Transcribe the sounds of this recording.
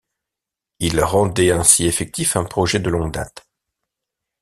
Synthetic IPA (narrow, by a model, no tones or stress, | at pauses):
ilʁɑ̃d̪ɛɛ̃siefɛk̚t̪ifɛ̃pχɔʒɛd̪əlɔ̃ŋɡd̪a̰t̪